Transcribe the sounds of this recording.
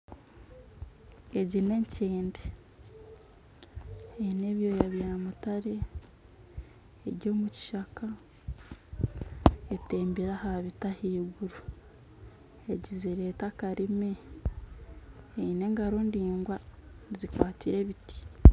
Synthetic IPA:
eɟine̞ɲceːnde | eine̞βjo̞jaβjaːmutaɾe̞ | ɾjɟo̞ːmuci̥ʃaka | eteːmbiɾahaβitahiːɡuɾu | eɟiziɾe̞ːtakaɾime̞ | eine̞ːŋɡaɾo̞ndiːŋɡwazikwaːtʰiɾe̞βiti̥

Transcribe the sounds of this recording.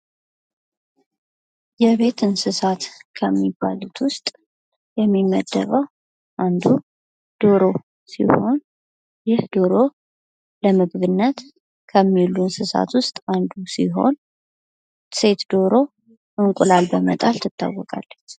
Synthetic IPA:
jɛβe̞t̪ʰɨnsɨsat̪kʰəmːiba̰lut̪ʰwʊst̪ʼ | jɛmːiməd̪ːə̰βəw | ʔand̪u | d̪̥o̞ɾo̞ | sḭho̞n | jɪhd̪o̞ɾo̞ | ləmɨɡbɨnːət̪ | kʰəmːilunsɨsa̰t̪wʊst̪ʼand̪usiɦo̞̰n | se̞t̪d̪o̞ɾo̞ | ʔɨŋkʼʊlalbəmət̪ʼalt̪ʰɨt̪ːa̰wːɔkʼa̰lːət͡ʃː

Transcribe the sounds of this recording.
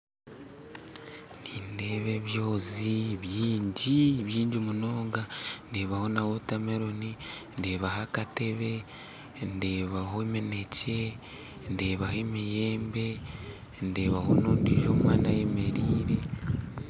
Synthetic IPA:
nindeːβe̞βjo̞ːziβjiːɲɟiβjiːɲɟimuno̞ːŋɡande̞ːβaho̞nawotameɾoninde̞ːβaɦakate̞βe̞ | nde̞ːβaɦo̞eme̞ne̞ce̞ | nde̞ːβahemijeːmbe̞ | nde̞βaho̞noːndiʒoːmwaːnajeme̞ɾiːɾe̞

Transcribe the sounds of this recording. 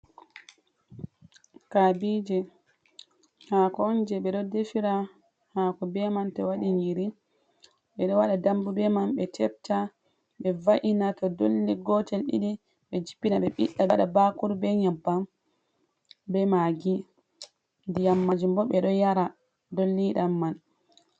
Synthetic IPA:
kabid͡ʒɛ | hakɔɔnd͡ʒɛɓɛɗɔdefiɾa | hakɔbɛmantɔwaɗiɲiɾi | ɓɛɗɔwaɗadambubɛmanɓɛtʰɛp̚ta | ɓɛvaʔinatɔdolːiɡɔtɛlɗḭɗi | ɓɛd͡ʒipːinaɓɛɓiɗːaɓaɗabakuɾbɛɲabːam | bɛmaɡi | ndijamːad͡ʒumbɔɓɛɗɔjaɾa | dolːiɗamːan

